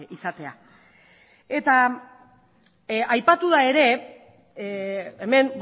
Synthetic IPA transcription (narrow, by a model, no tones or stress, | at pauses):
isat̪e̞a̰ | e̞t̪a | ajpat̪uð̞ae̞ɾe̞ | eme̞mb